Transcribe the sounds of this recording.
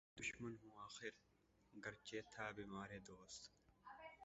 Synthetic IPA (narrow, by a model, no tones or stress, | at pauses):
d̪ʊʃmɐnɦũːaːxɪɾ | ɡɐɾt͡ʃeːt̪ʰaːbimaːɾeːd̪oːst̪